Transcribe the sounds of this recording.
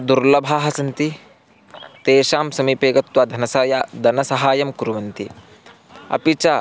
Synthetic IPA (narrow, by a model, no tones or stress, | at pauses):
d̪uɾlɐbʱaːɦɐsɐnt̪i | t̪eːʃaːmsɐmipeːɡɐt̪wɐd̪ʱɐnɐsaːjad̪ʱɐnɐsɐɦaːjɐmkuɾuʋɐnt̪i | ɐ̰pit͡ʃa